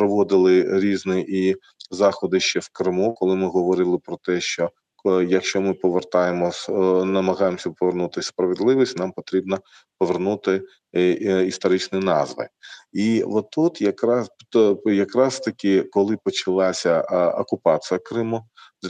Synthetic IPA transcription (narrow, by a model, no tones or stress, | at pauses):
pɾɔʋɔd̪ɪlˠɪɾʲiznɪʔi | zɑxɔd̪ɪʃt͡ʃɛwkɾɪmukɔlˠɪmɪɦɔʋɔɾɪlˠɪpɾɔt̪ɛʃt͡ʃɔ | jɐkʃt͡ʃɔmɪpɔʋert̪ɑjemɔnɐmɐɦɑjemsʲɐpɔʋernut̪ɪspɾɐʋɪd̪lˠɪʋisʲtʲnɑmpɔt̪ɾʲibnɐ | pɔʋernut̪ɪ | ist̪ɔɾɪt͡ʃnɪnɑzʋɪ̰iʋɔt̪ut̪jɐkɾɑsjɐkɾɑst̪ɐkʲɪkɔlˠɪpɔt͡ʃɐlˠɑsʲɐɔkʊpɑt͡sʲijɐkɾɪmu